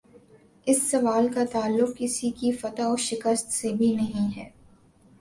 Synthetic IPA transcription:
ɪsːɐʋaːlkat̪aːlːʊq̚kɪsikifɐt̪aɔːɾʃɪkəst̪sebʱinɐɦĩɦɛː

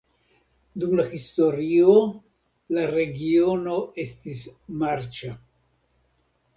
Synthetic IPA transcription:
d̪umlaxist̪oɾio | laɾeɡionoest̪ismaɾt͡ʃa

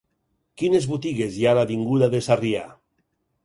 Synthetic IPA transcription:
kinezβut̪iɣezjalaβiŋɡuðaðesaria

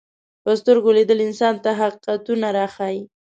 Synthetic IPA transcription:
pəst̪əɾɡoled̪əlɪnsɑnt̪aɦaqiqat̪unaɾɑxaji

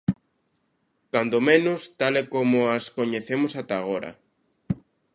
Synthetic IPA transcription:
kand̪omẽnʊst̪alɛkomoaskoɲeθemosat̪aːɣ̞oɾa̰

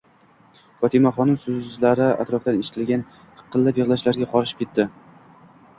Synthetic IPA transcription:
fɒt̪ʰɪmaχɒnɪmsʊzlaɾɪa̰t̪ɾɒfd̪aneʃɪ̥t̪ʰɪlɡʲan̥ʰ | qʰːɨlˠːapjɨʁlˠaʃlaɾɡʲaqʰɒɾɪʃɪ̥p̚kʲe̞t̪ːɪ

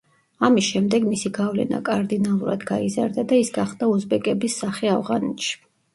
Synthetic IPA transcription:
amisʃɛmd̪ɛɡmisiɡavlɛ̰na̰kʼaɾd̪inalˠuɾad̪ɡaiza̰ɾd̪ad̪aisɡaχd̪auzbɛkʼɛbisːaχiavʁanɛt̪ʃi̥

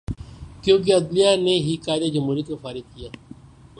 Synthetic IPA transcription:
kjõːk̬eɐd̪lijaːneɦikaːd̪ad͡ʒəmɦuːɾjit̪̚kofaːɾɪd̪̚kijaː

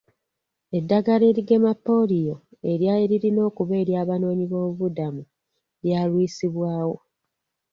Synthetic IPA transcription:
e̞dːaɡale̞ːɾiɡe̞mapːo̞lijo̞e̞ɾjaeɾiɾino̞ːkuβe̞ːɾjaːβano̞ːɲiβo̞ːuvudamu | ɾjaːlwiːsiβwaːwo̞

